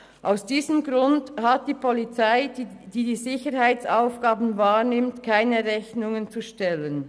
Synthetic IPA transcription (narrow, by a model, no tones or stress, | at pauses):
ʔaʊsd̥iːzəmɡʁʊndhat̚d̥iːpʰɔlit͡saɪd̥iːdiːzɪçəɾhaɪt͡saʊfɡ̥aːbn̩vaːɹnɪmtkʰaɪnəʁɛçnʊŋənt͡suʃtɛlən